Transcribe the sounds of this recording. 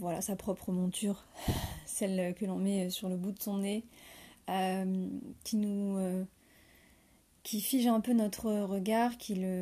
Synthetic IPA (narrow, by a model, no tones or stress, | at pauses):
vwala̰sapχɔpχəmɔ̃t̪ʰyːʁsɛlkəlɔ̃mɛøsyʁləbud̪əsɔ̃ne | ømkʲinuø | kʲʰifiʒɛ̃pønɔt̪χəʁəɡaʁkʲilə